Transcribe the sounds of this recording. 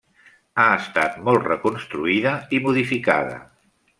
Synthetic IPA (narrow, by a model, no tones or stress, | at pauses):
aəst̪at̪mɔlˠt̪rəkunst̪ɾuiðəimuðifika̰ðə̰